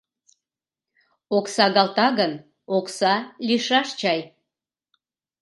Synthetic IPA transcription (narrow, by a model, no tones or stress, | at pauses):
oksɑɣɑlt̪ɑɣən | oksɑlʲiʃɑʃt͡ɕɑj